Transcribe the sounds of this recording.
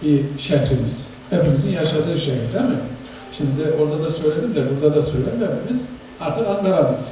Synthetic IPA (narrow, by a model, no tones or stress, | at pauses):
biʃɛnt̪ʰemiz̥ | hepemizinjaʃad̪ɯːʃejilʲd̪emɪ | ʃimd̪d̪ɪo̞ɾd̪ad̪asø̞jlʲe̞d̪imd̪abuɾd̪ad̪asø̞jlʲed̪imhepʰemiz̥ | aɾt̪ʰɯkanb̪aɾamɯz̥